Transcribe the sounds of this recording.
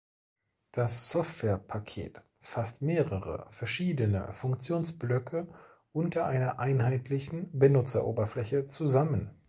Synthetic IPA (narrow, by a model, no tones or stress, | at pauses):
d̥asːɔftv̥ɛːɐpʰakʰḛːt | fastmeːʁəʁə̰fɛɐʃiːdənə̰fʊŋkt͡sjoːnsb̥lœkʰə | ʔʊntɐʔaɪnɐʔaɪnɦaɪtlɪçn̩bənʊt͡sɐʔo̰ːbɐflɛçət͡suzamən